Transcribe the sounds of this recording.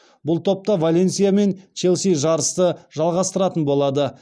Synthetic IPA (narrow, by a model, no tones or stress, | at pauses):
bʊlˠt̪ʰo̞p̚t̪ɑvolʲe̞nsijame̞nt͡ʃʰe̞lʲsijʒɑɾəst̪əʒɑlˠʁɑst̪əɾɑt̪ənbo̞lˠɑd̪ə